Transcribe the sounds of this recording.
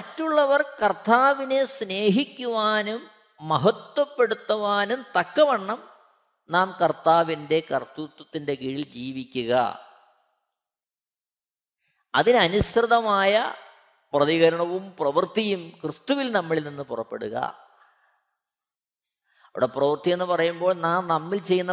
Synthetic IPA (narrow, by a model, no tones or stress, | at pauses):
mɐtːuɭːɐʋɐrkɐrt̪aːʋine̞sne̞ːɦikʲːuʋaːnumː | ɐɦɐt̪wɐpːe̞ɽut̪ːɐʋaːnumt̪ɐkːɐʋɐɳːɐm | naːmkɐrt̪aːʋinde̞kɐrt̪ut̪ːɐt̪ːinde̞kiɻild͡ʑiːʋikʲːuɣɐ̰ | ɐðinɨɐnuɕrɨðɐmaːjɐ | prɐðiɣɐɾɐɳɐʋumprɐʋɐrt̪ijumkrɨst̪uʋilnɐmːiɭilninːɨpurɐpːe̞ɽuɣɐ̰ | ɐʋḭɽɐprɐʋɐrt̪ije̞nːɨpɐrɐjumbo̞ːɭnaːmnɐmːilt͡ɕe̞jːunːɐ